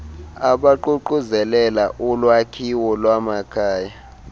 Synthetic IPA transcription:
aɓaǃuǃuzɛlɛlaʔulwakʰiwɔlwamakʰaːja

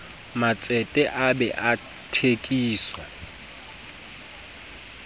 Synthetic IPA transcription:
mat͡sʼɛtʼɛʔabɛʔa | tʰekʼiːswa

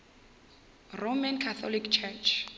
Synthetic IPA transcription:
romankʰaθɔlikt͡ʃʰɛt͡ʃʰ

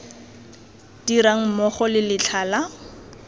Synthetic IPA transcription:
d̥iɾaŋ̩mɔχɔlɪlɪt͡ɬʰala

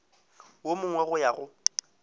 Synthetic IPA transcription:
womʊŋwɛɣʊjaɣʊ

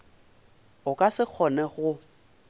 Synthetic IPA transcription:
ʊkʼasɪk͡xʰɔnɛɣʊ

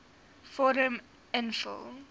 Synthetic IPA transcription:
fɔɾə̃m | ɪ̃nfɪ̰l

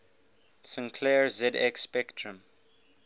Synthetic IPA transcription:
sə̃nkʰlɛɹzɛdɛkspɛktʰɹə̃m

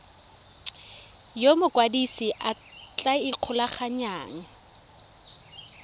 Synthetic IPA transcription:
jomʊkʼwadisiʔa | t͡ɬʼaiq͡χʰʊlaχaɲaːŋ̩

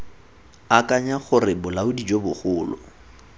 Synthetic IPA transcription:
akʼaɲaχʊrɪbʊlaʊdid͡ʒobʊχʊːlɔ̰

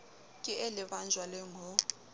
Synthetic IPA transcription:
kʼɪɛlɪβand͡ʒʱwalɛŋɔ

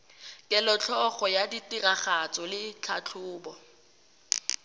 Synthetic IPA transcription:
kʼɪlɔt͡ɬʰɔχɔjaditiraχat͡sɔlɪt͡ɬʰat͡ɬʰʊːbɔ

